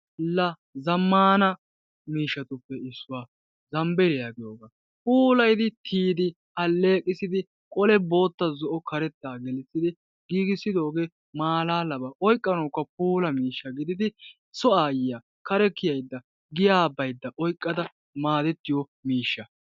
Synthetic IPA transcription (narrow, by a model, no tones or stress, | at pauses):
lɐ | zɐmːaːnɐ | miːʃːɐt̪ʊpːɛɪsːʊwaː | zɐmbɛlɛjaːɡɪjoːɡaː | puːlɐjd̪ɪt̪ʰiːd̪ɪ | ɐlːe̞ːkʼːɪsɪd̪ɪ | kʼɔlɛbo̞ːt̪ːɐzɔʔɔkʰɐɾɛt̪ːaːɡɛlɪt͡sːɪd̪ɪ | ɡiːɡɪsɪd̪o̞ːɡeː | maːlaːlɐbɐʔɔjkʼːɐnoːkːɐp̚uːlɐmiːʃːɐɡɪd̪ɪd̪ɪ | sɔaːjɪja | kɐɾɛkːɪjɐjd̪ːɐ | ɡɪjaːbɐjd̪ːɐʔɔjkʼːɐd̪ɐ | maːd̪ɛt̪ːɪjɔ | miːʃːɐ